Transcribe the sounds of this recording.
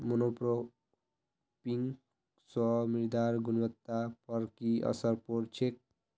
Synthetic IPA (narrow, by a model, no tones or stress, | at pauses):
monopɾo | piŋ | sʌmiɾd̪aɾɡunwʌt̪ːapʌɾkiʌ̰sʌɾpoɾt͡ʃʰek̚